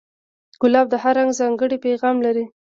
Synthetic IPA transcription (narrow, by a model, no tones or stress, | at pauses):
ɡ̥ʊlɑb̚d̪əhaɾaŋɡzɑŋɡəɽipeɣɑmlaɾi